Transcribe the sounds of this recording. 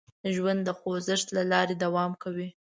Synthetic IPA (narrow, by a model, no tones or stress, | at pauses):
ʒwand̪dːəxozɪʂt̪lalɑɾed̪awɑmkawi